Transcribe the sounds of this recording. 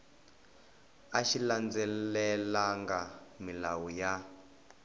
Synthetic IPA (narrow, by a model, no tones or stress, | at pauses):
aʃiland͡zɛlɛlaŋɡamilawuja